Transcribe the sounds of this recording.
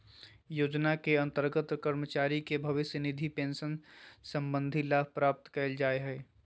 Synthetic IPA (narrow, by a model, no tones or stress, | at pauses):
joːd͡ʒnakeɐ̃nt̪əɾɡət̪kəɾmət͡ʃaːɾikebʱɐʋɪsjənɪd̪ʱipẽːnʃənsə̃mbə̃nd̪ʱilaːbʱpɾaːp̚t̪kɐld͡ʒaːeɦɛː